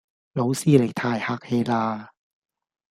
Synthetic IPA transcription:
lo˨˦wsi˧˨leː˨˩t̪ʰaː˧˩jha˦˥k̚heː˧laː˧

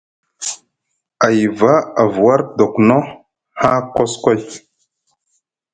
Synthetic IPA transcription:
a˨jva˦a˨vu˨wa˦ɾdo˨kno˦ | ha˦ko˦sko˦j

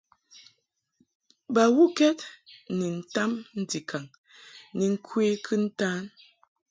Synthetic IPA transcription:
ba˨wu˦kɛ˦t̚ni˨n̩˦˨ta˦mn̩˦di˨kʰa˨ŋ | ni˨ŋ̩˦kʰweː˦kʰɨ˦n̩˦taː˦n

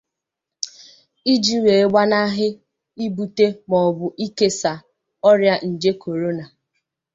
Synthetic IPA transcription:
i˦d͡ʒi˦we˨˦ɡ͡ba˦na˦ɦɪ˦ | i˦bu˨te˦mɔ˨bʊ˨ʔi˦ke˦sa˨ | ɔ˦ɾja˦n̩˨d͡ʒe˦kʰo˨ɾo˦na˨

